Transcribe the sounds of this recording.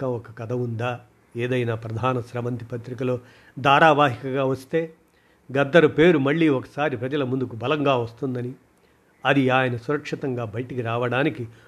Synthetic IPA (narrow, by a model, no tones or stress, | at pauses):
kɐɔkɐkɐd̪ɐʋund̪aː | eːd̪ɐjnaːpɾɐd̪ʱaːnɐsɾɐʋɐnt̪ipɐt̪ɾikɐlo̞ː | d̪ʱaːɾaːʋaːɦikɐɡaːʋɐst̪e̞ː | ɡɐd̪ːɐɾɐpe̞ːɾumɐɭːiːɔkɐ̥saːɾipɾɐd͡ʒɐlɐmund̪ukubɐlɐŋɡaːʋɐst̪und̪ɐni | ɐd̪iaːjɐnɐsuɾɐkʂit̪ɐŋɡaːbɐjʈikiɾaːʋɐɽaːniki